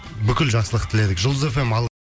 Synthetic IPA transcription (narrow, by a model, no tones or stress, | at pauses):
bʏkʲɪlʒɑχsəlˠəqt̪ʰɪle̞d̪ɪkʒəld̪əze̞fe̞mɑlˠ